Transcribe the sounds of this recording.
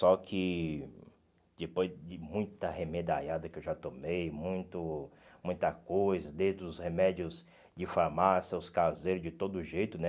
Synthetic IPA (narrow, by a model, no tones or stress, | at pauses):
sɔkʰɪ | d̪ɪpojzd͡ʒɪmũj̃t̪t̪ɐhemed̪aʎad̪ɐkɪewʒat̪omejmũj̃t̪ʊmũj̃t̪ɐkojzɐd̪ẽt̪ɾʊd̪ʊshemɛd͡ʒiʊz | d͡ʒɪfaɾmasjɐʊskazejɾʊzd͡ʒɪt̪od̪ʊʒejt̪ʊnɛ